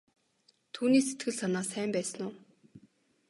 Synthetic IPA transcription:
t̪ʰuːniːset̪ɡɘ̆ɮsanaːsæːmpæːsə̆nʊː

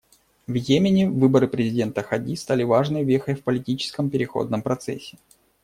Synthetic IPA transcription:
vjemʲɪnʲɪvɨbəɾɨpɾʲɪzʲɪdʲe̞nt̪əxɐdʲist̪alʲɪvaʐnɨvʲexəjfpəlʲɪtʲit͡ɕɪ̥skəmpʲɪɾʲɪxo̞̰d̪̚nəmpɾɐt̪sɛ̰sʲːɪ

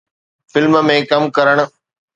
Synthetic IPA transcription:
fɪlmmẽkɐmkɐɾəɽ̃̆

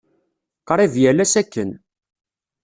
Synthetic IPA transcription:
qɾˤɪvjælæsækːən

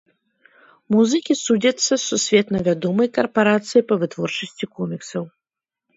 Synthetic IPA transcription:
muzɨkʲisud͡zʲɐt̪sːɐsːusʲvʲɛt̪nɐvʲad̪ɔmɐjkɐrpaɾat̪sɨjipɐvɨt̪vɔrt͡ʂɐsʲt͡sʲikɔmʲiksɐw

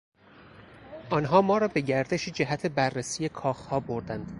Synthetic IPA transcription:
ʔɒːnɦɒːmɒːɾɒːbe̞ɟæɾd̪eʃid͡ʒeɦæt̪ʰebærːesiːje̞kʰɒːxhɒːboɾd̪ænd̪̥

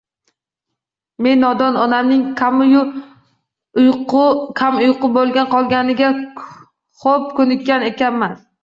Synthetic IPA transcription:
me̞nːɒd̪ɒnɒnamnɪŋʰamj | kʲʰamʊjqɨbolˠɡʲanqʰɒlˠɡʲanɪɡʲa | χop̚kʰɵnɪkʲːane̞kʲanman

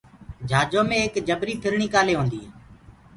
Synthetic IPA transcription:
d͡ʒʱaːd͡ʒoːmẽːkd͡ʒəbɾiːpʰɪɾɳiːkaːleːɦõːnd̪iː

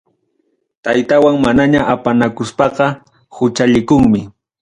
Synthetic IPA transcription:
t̪ajt̪awaŋmanaɲaʔapanakʊspɑqɑ | hʊt͡ʃaʎɪkʊŋmɪ

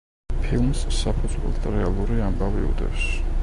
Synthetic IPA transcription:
pʰilˠmsːapʰud̪zwɛ̰lˠt̪ʰɾɛalˠuɾiambavḭṵd̪ɛ̰fs

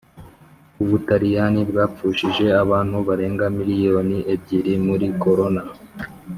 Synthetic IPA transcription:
uβutaɾijanibɡaːp͡fuːʃiʒe̞aβaːn̥huβaɾe̞ːŋɡamiɾijo̞ːniʔeb̚ɟiɾimuɾiko̞ɾo̞na

